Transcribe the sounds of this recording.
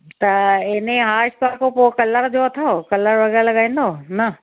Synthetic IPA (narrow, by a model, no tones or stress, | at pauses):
t̪ɐɪnẽɦaːʃpaːkopoːkɐləɾd͡ʑoɐt̪ʰaokɐləɾʋɐɡəɽlɐɠaːĩːn̆d̪oːnɐ